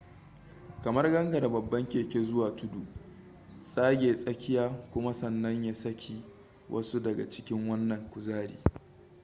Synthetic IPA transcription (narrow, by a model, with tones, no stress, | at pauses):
kɐ˨mɐ˦rɡɐ˦ŋɡa˨da˨bɐ˨bːɐ˦ŋkʲeː˨kʲe˦zʊ˦waː˨tʊ˦du˨ | sʼaː˦ɡʲeː˨sʼɐ˦kʲɪ˦jaː˦kʷʊ˦ma˦sɐ˨nːɐ˦ɲjaː˦sɐ˦kʲʰiː˨ | wʔɐ̰˦su˦dɐ˨ɡa̰˨t͡ʃɪ̥˦kʲɪ˦ŋwɐ˦nːɐ˨ŋkʷʊ˨zaː˦ɾḭː˨